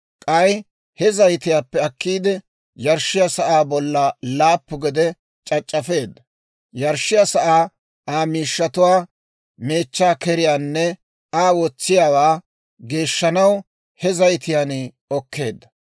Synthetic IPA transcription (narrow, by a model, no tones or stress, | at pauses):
kʼɐj | hɛzɐjt̪ɪjaːpːɛɐkːiːd̪ɛ | jɐɾʃɪjasɐʔaːbɔlːɐlaːpːʊɡɛd̪ɛ | t͡ʃʼɐt͡ʃʼːɐfe̞ːd̪ːɐ | jɐɾʃɪjɐsɐʔaː | aːmiːʃːɐt̪ʊwaː | me̞ːt͡ʃːaːkɛɾɪjaːnːɛ | aːwɔt͡sːɪjaːwaː | ɡe̞ːʃːɐnɐw | hɛzɐjt̪ɪjan | ɔkʰːe̞ːd̪ːɐ